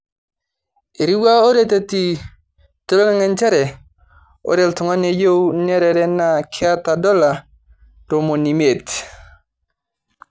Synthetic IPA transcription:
e˨ɾi˦wa˦o˦ɾe˦te˦ti˨ | to˦lo˦ŋa˦ŋɛ˨nt͡ʃa˦ɾɛ˨ | o̰˦ɾɛ˨ltɔ˨ŋa˦ne˨jo˦wnɛ˦ɾɛ˨ɾɛ˦na˨kʰɪ˦a˦ta˨dɔ˦la˨ | ɾo˨mo˨ni˨me˨t

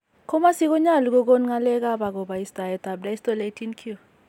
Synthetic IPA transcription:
kʰɔ˦ma˦si˦k̬ɔ˦ɲa˦˨li˨k̬ɔ˦k̬o˦n˦ŋa˦lɛ˦k̬a˦ɓa˨k̬ɔ˨ɓa˨i˦sta˨jɛ˨ta˨b̚da˦i˦stɔ˦le˦tʰi˦nkʰu˦

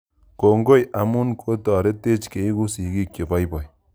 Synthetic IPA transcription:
ko˨ŋɡo˦jʔa˨mu˦nkʰo˦ta˨ɾe˦te˦t͡ʃke˨i˦ku˦si˨ɡi˦kje˨ba˦jbɔ˨j

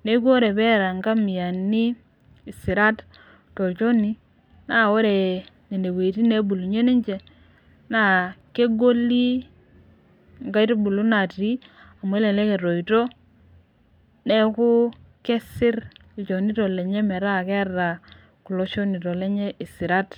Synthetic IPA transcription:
ne˦ku˦o˦ɾe˨pɛ˦ɾa˨ŋɡa˦mi˨a˨niː˦˨ | sɪ˨ɾa˦t | to˨lt͡ʃo˦ni˦ | na˦˨o˦ɾe˨ne˨ne˨we˨ti˦ne˦bu˨lu˨ɲe˦ni˦ɲt͡ʃɛ˨ | na˦ke˦ɡo˦li˦ | ŋɡa˦i˦ti˦bu˨lu˦na˨ti˦ | a˨m˨e˦le˨lɛ˦ke˨to˨i˨to˦ | nɛ˦ku˦ | kɛ˦sɪ˦ɾ | lt͡ʃo˨ni˦to˨le˨ɲɛ˦mɛ˨ɾa˦˨kɛ˦ɾa˨ | ku˨lo˦t͡ʃo˦ni˨to˨le˦ɲɛ˦ʔi˨si˨ɾa˦t

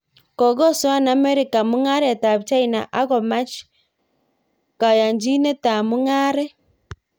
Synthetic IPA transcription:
kɔ˨ɡɔ˦si˦wa˦na˨˦mɛ˦ɾi˨ka˨mu˦ŋa˦ɾɛ˨ta˨βt͡ʃa˦ina˨ʔa˦ɣɔ˨ma˦t͡ʃ | ka˨ja˨ɲd͡ʒi˦ne˦ta˨mu˦ŋaː˦ɾɛ˦

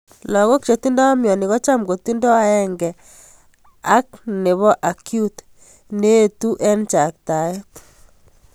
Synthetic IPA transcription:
lɔ˨ɣo˦k̚t͡ʃe˨t̪i˦ndɔ˦a˦mjɔ˨ni˨ɣɔ˦t͡ʃa˦mɡo˨t̪i˦ndɔ˦a˦ɛ˦ŋɡɛ˨ | a˦k̚ne˨βɔ˦ʔa˨kju˦t | ne˦tu˦ʔɛ˦nt͡ʃa˨k̚ta˨jɔ˦t

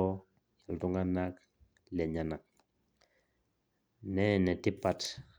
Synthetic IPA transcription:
ɔ˦ | ja˨ltu˦ŋɡa˦na˦k | lɛ˨ɲa˨na˨k̚ | nɛ˦˨nɛ˨ti˦pa˨t

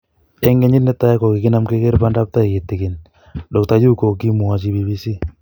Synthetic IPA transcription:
ɛ˦ŋɡe˦ɲi˦tnɛ˦t̪a˦ja˦ko˨kɪ˨kɪ˦na˦mke˦ke˦ɾpa˦nda˦p̚t̪a˦i˨kɪ˨t̪ːɪ˨kɪ˨n | dɔ˨k̚t̪a˨d͡ʒu˦ko˨ɡi˦mu˨a˨t͡ʃi˦bi˨bi˦si˦

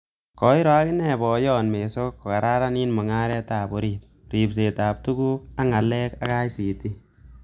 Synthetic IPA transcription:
kɔ˨˦i˦ɾɔ˨a˦kɪ˦nɛ˨bɔ˨jɔ˦nme˨so˦kːo˨ka˨ɾa˦ɾa˦niː˦nmɔ˨ŋa˦ɾɛ˦taː˨bo˨ɾit̚ | ri˨ps̬e˨ta˨p̚tu˦ku˦ka˦ŋa˨lɛ˦kaka˦jsi˨ti˦

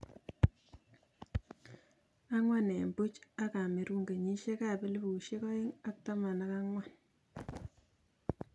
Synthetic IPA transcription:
a˦ŋwa˦nɛ˨mbu˦t͡ʃa˦ka˨me˨ɾu˦ŋɡe˨ɲi˦ʃe˦ka˦pe˦li˦bu˨ʃe˦kɔ˦i˦ŋa˦k̚ta˦ma˨na˦ka˦ŋwa˦

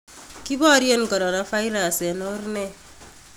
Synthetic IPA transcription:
ki˦bɔ˦ɾje˦n˨kɔ˨ɾɔ˨na˨˦fa˦i˦ɾa˨sɛ˨nɔ˦rnɛ˦˨

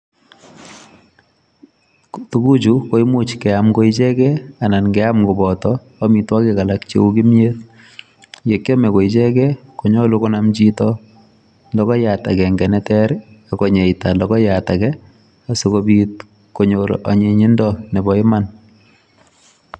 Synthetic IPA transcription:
tuku˦t͡ʃuko˦i˦mu˦t͡ʃkɛ˨amko˦i˦t͡ʃɛ˦kɛ˦a˨na˨nkɛa˦mko˨bɔtɔː˦ | mi˨twa˦kɛka˨lakt͡ʃḛ˦u˦ki˦m˦et | je˨kjɔ˦mɛ˨ko˨it͡ʃɛ˦kɛ˦koɲɔ˦loko˦namt͡ʃitɔ | lɔ˦kɔ˦jata̰˨kɛ˨ŋɡɛ˨nɛtɛɾakɔ˨ɲe˨ita˨lɔkɔ˦jatakɛ˦ | a˨so˦kobit | ko˨ɲoɾa̰˨ɲe˦ɲi˦ndɔnɛ˨bɔ˨ɪ˦man

